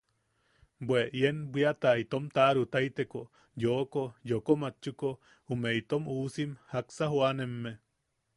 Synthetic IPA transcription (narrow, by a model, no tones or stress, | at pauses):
bwʷeʔjenbiat̪ait̪omt̪aɾut̪ait̪eko | joʔkojokomat͡ʃːuko | umeit̪omusimhaksaɦwanemːe